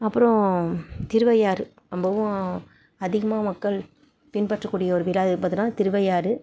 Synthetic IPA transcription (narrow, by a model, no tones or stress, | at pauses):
ɐpːɯɾɔ̃t̪ɪɾɯʋɐjaːɾɯ | ɐmbɐʋʊ̃ | ɐðɪɣɐmaːmɐkːɐɭ | pɪnpɐʈrɐkːuːɽɪjɐɔɾɯʋɪlaːðɯpaːt̪ːɯlãːt̪ɪɾɯʋɐjaːɾɯ